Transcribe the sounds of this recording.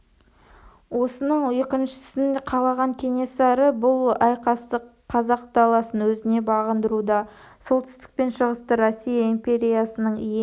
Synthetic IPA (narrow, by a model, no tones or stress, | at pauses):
wo̞sənəɴjekʲɪnʃɪ̥sɪnqʰɑlˠɑʁɑɴkʲʰe̞nʲe̞sɑɾəbʊlˠɑjqɑst̪əqʰːɑzɑq̚d̪ɑlˠɑsənwɵzɪne̞bɑʁənd̪əɾud̪ɑ | so̞lˠt̪ʏ̥st̪ɪ̥k̚pe̞nʃəʁəst̪əɾosːijaimpʲe̞ɾʲijasənəɴijɪ